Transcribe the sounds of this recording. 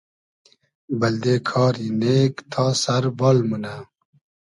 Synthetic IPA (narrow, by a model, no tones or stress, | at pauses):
bɐld̪eːkʰɑːɾineːkt̪ʰaːsɐɾbɔːlmunaː